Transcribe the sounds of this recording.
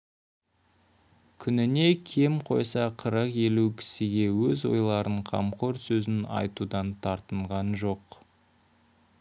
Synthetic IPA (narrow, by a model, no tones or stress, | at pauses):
kʲʰʏnɪne̞kʲʰe̞mqʰo̞̰jsɑqʰəɾəqe̞lukʲʰɪ̥sɪɡʲe̞wɵzwo̞̰jlˠɑɾəɴqʰɑ̰mqʰoɾsɵzɪnɑ̰jt̪ud̪ɑnt̪ʰɑɾt̪əɴʁɑnʒo̞q